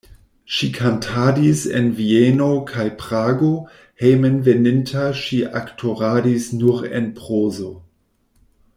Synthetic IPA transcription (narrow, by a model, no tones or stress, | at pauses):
ʃikʰantʰadisḛnvienokʰajpɾaːɡo | hejmenvenintʰaʃiʔaktʰoʁaːdisnuɾḛnpʁozo